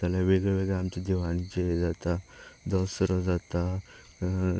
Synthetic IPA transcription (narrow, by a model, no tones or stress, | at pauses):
t̪alaʋeɡɭeʋeɡɛamt͡ɕid̪iʋanid͡ʑed͡zat̪ad̪ɔsɾɔd͡zat̪a